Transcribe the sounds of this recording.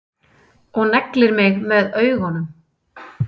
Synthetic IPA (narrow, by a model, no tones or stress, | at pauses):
ɔɣnɛklɪɾmɪɣmɛðœːɥɣhɔnːʏm